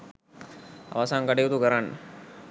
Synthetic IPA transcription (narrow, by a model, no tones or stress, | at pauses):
a̰ʋasaːŋkaʈijut̪ukəɾanːə̰